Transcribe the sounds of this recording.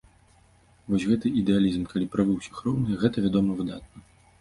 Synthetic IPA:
vɔsʲɣɛt̪ɨid̪ɛalʲizmkalʲipɾavɨwsʲɐ̥xɾɔwnɨjɣɛt̪ɐvʲad̪ɔmɐvɨd̪at̪̚nɐ

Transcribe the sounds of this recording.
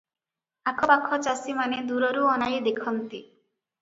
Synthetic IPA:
akʰɔpakʰːɔt͡ʃasimaned̪uɾɔɾuɔnajd̪ekʰɔnt̪i

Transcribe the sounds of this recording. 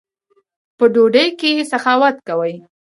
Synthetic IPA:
pəɖoɖəjkejesaxɑwat̪kawəj

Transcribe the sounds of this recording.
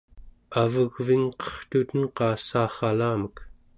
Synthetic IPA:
avəɣviŋqʌ̥χt̪ut̪ənqɑːsaːχɑlaːmək

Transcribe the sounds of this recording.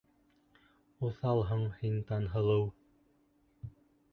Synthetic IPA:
uθɑlˠɦɤɴhint̪ɑnɦɤ̆lˠɤw

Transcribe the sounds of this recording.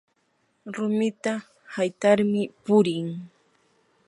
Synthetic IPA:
ɾʊmɪt̪a | hajt̪aɾmɪpʊɾɪŋ

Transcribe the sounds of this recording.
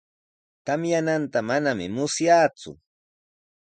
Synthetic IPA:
t̪amjanant̪amanamɪ̰mʊsjaːt͡sʊ̰

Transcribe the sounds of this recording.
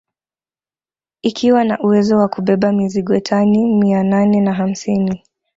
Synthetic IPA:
ikʰiwanaʔuwɛzɔwakuɓɛɓamiziɠɔtʰanimiananɛnaɦam̩sini

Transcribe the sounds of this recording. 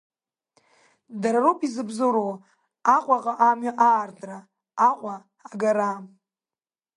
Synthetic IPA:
daɾaropʼizɨbzoɾow | aqʷʼaqʼaʔamɥaʔaːrtʼra | aqʷʼaː | ɡaɾa

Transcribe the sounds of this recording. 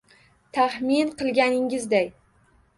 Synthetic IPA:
t̪ʰahmɪnqʰɨlˠɡʲanɪŋɪzd̪aj

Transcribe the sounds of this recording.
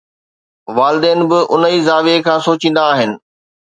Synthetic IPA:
ʋaːlɪd̪eːnɪ̆bɪʔʊn̤əizaːʋekʰãːsoːt͡ɕĩːn̆d̪aːɦɪnɪ̆

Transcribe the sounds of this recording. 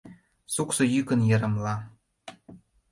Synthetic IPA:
suksŏjykə̆njĕɾə̆mlɑ

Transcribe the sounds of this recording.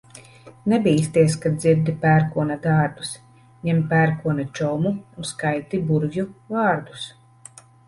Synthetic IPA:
nɛbiːst̪iɛskad̪ziɾd̪ipæːɾkuɔnad̪aːɾbu̥s | ɲɛmpæːɾkuɔnat͡ʃɔwmuːnskajt̪ibuɾvʲjuvaːɾd̪u̥s

